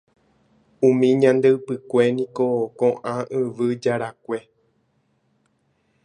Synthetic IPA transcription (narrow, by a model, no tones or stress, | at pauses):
ũmĩɲãnd̪ewpɨkʷe̞nĩkokõʔãʔɨ̃ʋɨd͡ʒaɾakʷe̞